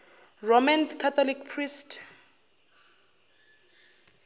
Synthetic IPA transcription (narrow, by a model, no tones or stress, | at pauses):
romankʰat̪ʰɔlikpʰrist